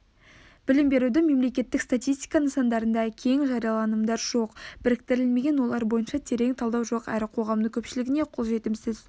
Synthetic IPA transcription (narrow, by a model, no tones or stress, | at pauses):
b̥ɪlɪmbe̞ɾud̪ɪme̞mle̞kʲe̞t̪ːɪkst̪at̪ijst̪i̥jkɑnəɴsɑnd̪ɑɾənd̪ɑkʲʰe̞ŋʒɑɾijɑlˠɑnəmd̪ɑɾʒ̥o̞qb̥ɪɾɪk̚t̪ɪɾɪlme̞ɡʲe̞nwo̞lˠɑɾbo̞jənʃɑt̪ʰe̞ɾe̞ŋt̪ʰɑlˠd̪ɑwʒo̞qæ̰ɾɪqʰo̞ʁɑmd̪əŋkʲʰɵpʃɪlɪɡʲɪne̞qʰʊlˠʒe̞t̪ɪmsɪz